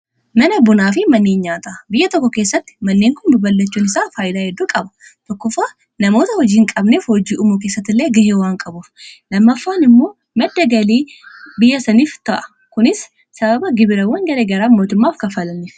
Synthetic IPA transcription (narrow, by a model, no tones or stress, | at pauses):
mɐnɐbʊnaːfɪmɐnːeːnɲaːt̪abɪjːɐt̪ɔkːɔke̞ːsːɐt̪ːɪ̥mɐnːeːŋkʊnbɪbɐlːɐt͡ʃːuːnɪsaːfaːjɪd̪aːhɛd̪ːuːkʼɐbɐ̥t̪ɔkːʊfaː | nɐmo̞ːt̪ɐhɔd͡ʒiːŋkʼɐbneːfhɔd͡ʒiːʔʊmuk̬e̞ːsːɐt̪ːɪlːeːɡɐhewaːŋkʼɐbʊfnɐmːɐfːaːnɪmːo̞ː | mɐd̪ːɐɡɐliːbɪjːɐsɐniːft̪ɐʔɐ̥ | kʊnɪsː | ɐbɐbɐɡɪbɪɾɐwːɐŋɡɐleɡɐɾaːmoːt̪ʊmːaːfkɐfɐlɐniːf